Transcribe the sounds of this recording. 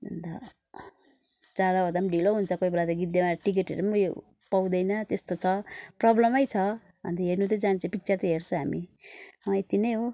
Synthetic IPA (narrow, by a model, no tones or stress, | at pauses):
bʱʌ̰nd̪a | d͡zad̪aʌd̪ʌmɖiloɦunt͡sʰʌkoibʌlat̪ʌɡit̪̚d̪emaʈik̬eʈḛɾumuj | paw̃d̪ʌjnʌt̪est̪ot͡sʰʌprʌblʌmʌjt͡sʰʌ | ɦʌ̰nd̪iɦernut̪ʌd͡zant͡sʰĩpik̚t͡sʌrt̪ʌɦert͡sʰõɦamiʌjt̪inʌjɦo